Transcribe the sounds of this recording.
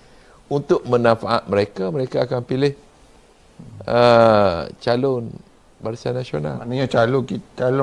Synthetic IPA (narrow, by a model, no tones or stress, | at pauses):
unt̪ʊʔ̚mə̃nãfaʔa̰t̪̚məɾekaməɾekaakanpilɪh | ə | t͡ʃalɔn | barsanãsiona̰anaɲat͡ʃalokit͡ʃalo